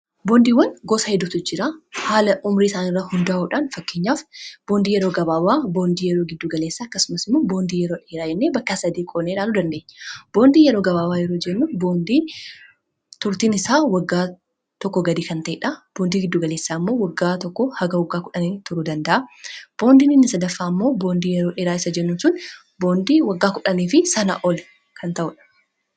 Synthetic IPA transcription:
boːnd̪iːwːɐnɡosɐhɛd̪ʊt̪ʊd͡ʒɪɾaːhaːlɐʔʊmɾiɪsaːnɪrːahʊnd̪aːʔuːᶑaːnfɐkːeːɲːaːfb̥oːnd̪iːjɛɾo̞ːɡɐbaːwaːbo̞ːnd̪iːjɛɾo̞ːɡɪd̪ːuːɡɐle̞ːsːaːɐkːɐsʊmɐsɪmːoːbo̞ːnd̪iːjɛɾo̞ːᶑeːɾaːd͡ʒɛnːeːbɐkːɐsɐd̪iːkʼoːnːeːᶑaːluːd̪ɐnd̪eːɲːb̥o̞ːnd̪iːjɛɾo̞ːɡɐbaːwaːjɛɾoːd͡ʒɛnːubo̞ːnd̪iː | t̪ʊɾt̪iːnɪsaːwɐɡːaː | t̪ɔkːɔɡɐd̪iːkɐnt̪ɐʔɛᶑɐb̥oːnd̪iːɡɪd̪ːuːɡɐleːsːaːmːo̞ːwɐɡːaːt̪ɔkːɔhɐɡɐwɐɡːaːkʊᶑɐniːt̪ʊɾuːd̪ɐnd̪ɐʔɐb̥o̞ːnd̪iːnɪnːɪsɐd̪ɐfːaːmːo̞ːbo̞ːnd̪iːjɛɾoːᶑeːɾaːɪsɐd͡ʒɛnːʊnsʊn | bo̞ːnd̪iːwɐɡːaːkʊᶑɐniːfɪsɐnɐ̰ʔɔl | kʰɐnt̪ɐʔʊᶑɐ̥

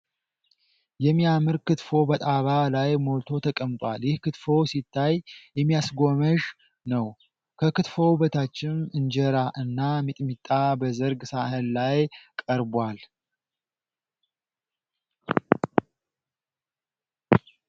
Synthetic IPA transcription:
jɛmːiamɨɾkɨt̪fo̞bət̪ʼaβalajmo̞lt̪ʰo̞t̪ʰəkʼəmt̪ʼwaljɪhkɨt̪fo̞wsit̪ʰːajjɛmːijasɡo̞məʒ | nəw | kʰəkɨt̪fo̞bət̪ʰat͡ʃːɪnɨnd͡ʒɛɾaʔɨnːamit̪ʼmit̪ʼːabəzəɾɡsahənlajkʼəɾbal

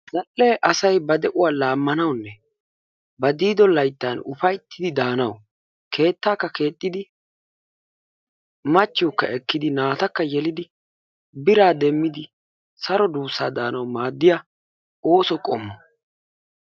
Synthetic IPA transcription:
zɐlːeːʔɐsɐjbɐd̪ɛʔʊwaːlaːmːɐnɐwnːɛ | bɐd̪iːd̪ɔlɐjt̪ːanʊ̰fɐjt̪ːɪd̪ɪd̪aːnɐw | kʰe̞ːt̪ːaːkːɐkʰe̞ːt̪ʼːɪd̪ɪ | mɐt͡ʃːɪjɔkːɐ̰ʔɛkːɪd̪ɪnaːt̪ɐkːɐjɛlɪd̪ɪ | bɪɾaːd̪ɛmːɪd̪ɪ | sɐɾɔd̪uːsaːd̪aːnɐwmaːd̪ːɪja | o̞ːsɔkʼɔmːɔ

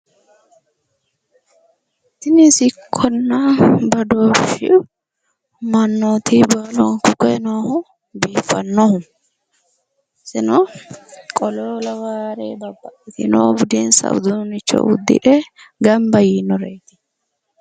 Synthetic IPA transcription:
t̪ɪnɪsɪkʰːɔnːɐbɐd̪oːʃɪ̰ʔʊ | mɐnːot̪ʰibɐlɔŋkʊkɛnoːhʊ | biːfːɐnːɔhʊ | sɪnɔ | kʼɔloːlɐwaːɾeːbɐbːɐʔɪt̪ɪ̰noːbʊd̪eːnsɐ̰w̰d̪unɪt͡ʃːɔ̰ʔʊ̰d̪ːɪ̰ʔɛɡɐmbɐjinɔɾeːt̪ɪ̥

